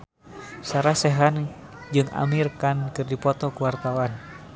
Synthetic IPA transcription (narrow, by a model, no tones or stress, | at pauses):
saɾasɛɦan | d͡ʒɨŋa̰mirkankɨrdipɔt̪ɔkuwart̪awan